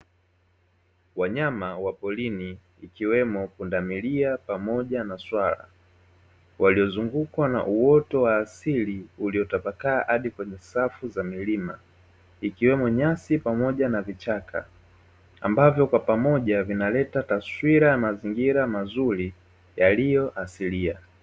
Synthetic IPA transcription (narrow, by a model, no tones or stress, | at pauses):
waɲamawapɔliniː | kiwɛmɔpundamiliapamɔʄanaswala̰ | wʔaliɔzuŋɡukwana̰ʔuwɔtɔwaːsiliuliɔtapakaːʔaɗikwɛɲɛsafuzamilima | ikiwɛmɔɲasipamɔʄanavit͡ʃakʰa̰ | a̰mbavjɔkwapamɔʄavinalɛtataswiɾajamaziŋɡiɾamazuɾi | jalijɔʔasilia